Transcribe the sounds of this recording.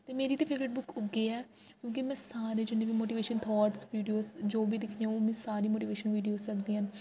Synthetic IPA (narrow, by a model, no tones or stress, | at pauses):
t̪eːmeːɾiːt̪eːpʰeːʋɾeʈ̚bʊkʊɡːeːɛː | kjõːkimɛ̃ːsaːɾeːd͡ʒɪnːeːʋiːmoːʈiːʋeːʃənt̪ʰɔːʈsʋiːɖijoːsd͡ʒoːbiːd̪ɪkʰneoːmɛ̃ːsaːɾiːmoːʈiːʋeːʃənʋiːɖijoːzɾəkʰd̪iːɦən